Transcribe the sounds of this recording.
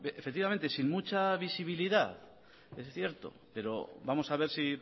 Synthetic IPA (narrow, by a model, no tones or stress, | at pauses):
efek̚t̪iβament̪e̞sinmut͡ʃaβisiβ̞iliðaθ | esθje̞ɾt̪o̞̰pe̞ɾo̞̰βamo̞saβ̞e̞ɾsi